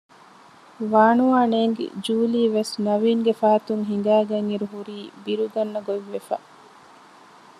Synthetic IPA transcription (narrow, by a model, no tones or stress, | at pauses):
ʋaːɳuaːneːŋɡḛd͡ʒuːliːʋesnɐʋiːŋɡefaːɐt̪uŋɦiŋ̆ɡæːɡɐŋiɾuɦuɾiːbiɾuɡɐnːɐɡoʋːefa̰